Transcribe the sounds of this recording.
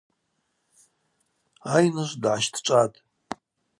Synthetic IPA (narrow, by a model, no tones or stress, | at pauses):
ajnɨʒʷdʕaʃtʰʈ͡ʂʷʼatʼ